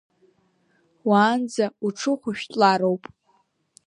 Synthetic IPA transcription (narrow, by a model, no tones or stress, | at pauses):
waːnd͡zauʈ͡ʂʰɨχʷʊʃᶣtʼlaɾowpʼ